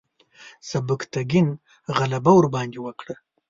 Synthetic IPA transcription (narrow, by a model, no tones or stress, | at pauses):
sabəkt̪aɡin | ɣalabawʊɾbɑnd̪ewəkɽə